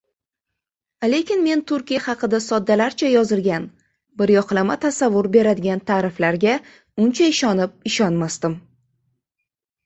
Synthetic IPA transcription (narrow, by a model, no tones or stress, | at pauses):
le̞kʲʰɪnme̞nt̪ʰʊɾkʲijahɑqɨd̪asɒd̪ːalaɾt͡ʃʰajɒzɪlɡʲan | bɪɾjɒqlˠamat̪ʰasavːʊɾbe̞ɾad̪ɪɡʲant̪ʰaːɾɪflaɾɡʲa | ʊnt͡ʃʰaɪʃɒnɪp̚ɪʃɒnmast̪ɪm